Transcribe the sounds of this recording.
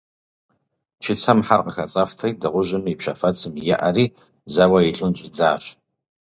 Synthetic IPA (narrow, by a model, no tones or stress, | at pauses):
t͡ʃʰɪt͡sʰɐmħarqəxɐt͡sʼɐftʰɐjdɐʁʷʊʒɪmipɕɐfɐt͡sʰʼɨmjɛ̰ʔɐriː | zɐwɐjɪɬʼɨnʑʼɪd͡zaːɕ